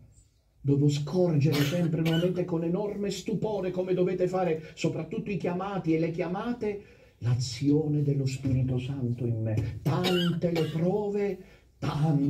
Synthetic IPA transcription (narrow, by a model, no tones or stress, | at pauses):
d̪ɔːvʊs̬kʰɔrd͡ʒeɾɪsɛmpɾenwɔvament̪ekonɛnɔrmest̪upɔːɾekomed̪ovɛːt̪efaːɾesopɾat̪ːut̪ːʊikjamaːt̪iɛlekjamaːt̪e | lat̪sːjɔːned̪ɪlːʊspiːɾit̪ʊsant̪ʊimːet̪ant̪elepɾɔːve | t̪an